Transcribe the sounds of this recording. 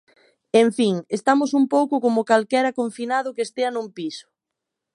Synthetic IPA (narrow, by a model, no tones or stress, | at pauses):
eɱfiŋest̪amʊsumpowkʊkomʊkalkɛɾɐkoɱfinaðʊkest̪eɐnumpisʊ̥